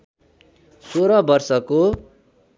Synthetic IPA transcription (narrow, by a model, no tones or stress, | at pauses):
soɾʌbʌrsʌko